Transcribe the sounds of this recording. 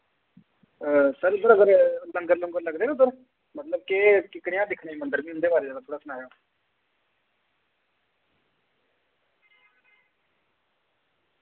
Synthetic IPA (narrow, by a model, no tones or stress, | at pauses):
əsəɾb̪əɾəɡəɾləŋɡəɾlə̃ŋɡələɡd̪eːnõːsəɾ | mət̪ləb̚kekɪkɽɪjãːd̪ɪkʰɽeːmənd̪əɾbĩːɦʊnd̪eːbaːɾeːd̪eːat̪ʰoːɽaːsənaːjaː